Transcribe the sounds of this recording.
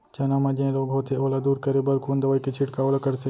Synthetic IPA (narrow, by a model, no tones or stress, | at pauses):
t͡ʃɐnamãd͡ʒẽloːɡɦoːt̪ʰeoːlad̪uːɾkəɾebəɾkoːnd̪ɐʋaːiket͡ʃʰiʈkaoːlakəɾt̪ʰe